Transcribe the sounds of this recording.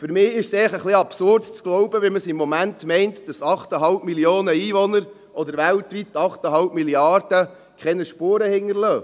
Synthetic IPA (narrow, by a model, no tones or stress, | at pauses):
fʏɾmɪːɪʃsɛɪχəχliɑpsʊrdt͡sɡ̥lɔwbəʋɪlməsɪmːɔmæntmɛɪntd̥ɑsɑχtəɦɑlpmiljoːnəiːvɔnəɾ | ʔɔd̪əɾʋæltʋitːɑχtəɦɑlb̚miljɑrd̥ə | kχɛnəʃpuːɾəhɪŋːəɾlœː